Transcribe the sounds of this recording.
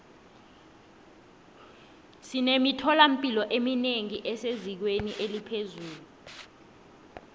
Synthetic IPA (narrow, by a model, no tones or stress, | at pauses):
sinemitʰɔlam̩pʼilɔʔemineŋiʔɛsezik̬weniʔelipʰezuːlu